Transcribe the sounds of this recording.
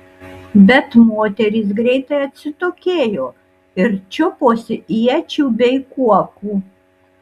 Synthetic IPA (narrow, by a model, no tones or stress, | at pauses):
bʲɛt̪moːt̪ʲɛɾʲiːsɡɾʲɛɪt̪ɐɪɐt̪ʲsʲɪt̪oːkʲeːjoː | ɪɾt͡ʃʲʊpoːsʲɪiɛt͡ʃʲuːbʲɛɪkuɔkuː